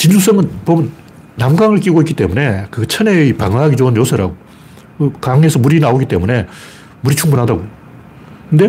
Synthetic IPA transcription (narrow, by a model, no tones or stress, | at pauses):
t͡ɕind͡ʑus͈ʌŋɯnpomɯnː | amɡaŋɯɭk͈iɡoik͈ːi̥t͈e̞mune̞kɯɡt͡ɕʰʌneipaŋɦaɡit͡ɕoɯnjosʰɯɾa̰ɡo | kɯkaŋe̞sʰʌmuɾinaoɡit͈e̞mune̞ | muɾit͡ɕʰuŋbunɦadaɡo | kɯnde̞